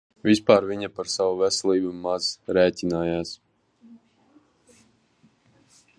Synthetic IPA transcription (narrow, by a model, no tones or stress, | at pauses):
vʲispaːɾviɲapaɾsawuvɛsɛlˠiːbumaz̥ɾɛːtʲinaːjaːs